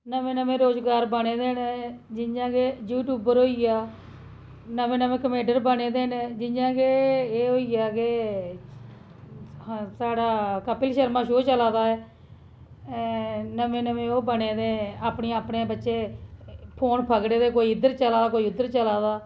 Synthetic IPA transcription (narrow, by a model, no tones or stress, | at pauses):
nəʋẽːnəʋẽːɾoːzɡaːɾbəneːd̪eːnd͡ʒɪd͡ʒãːɡejuːʈjuːbəɾɦoːiːɡaː | nəmẽːnəmẽːkəmẽːɳɖəɾbəneːd̪eːnːd͡ʒɪd͡ʒãːkeeːɦoːiɡaːke | saːɽaːkəpɪlʃəɾmãːʃoːt͡ʃəlaːd̪aːɛː | nəmẽːnəʋẽːoːbəɽeːd̪eːaːpneːaːpɳeːbətːʃeː | pʰoːnpʰəɡɽeːd̪eːkoːiːɪd̪əɾt͡ʃəlaːd̪aːkoːiːʊd̪ːəɾt͡ʃəlaːd̪aː